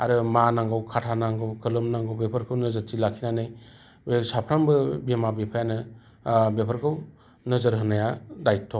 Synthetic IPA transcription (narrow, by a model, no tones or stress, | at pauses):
a̰ɾɯmanaŋɡɯwkʰatʰanaŋɡɯwkʰɯlɯmnaŋɡɯwbepʰɯɾkʰɯwnɯzɯɾtilakʰinanɯj | besapʰɾambɯbemabepʰajanɯ | bepʰəɾkʰɯw | nɯzɯɾɦɯnajadajtʰɔ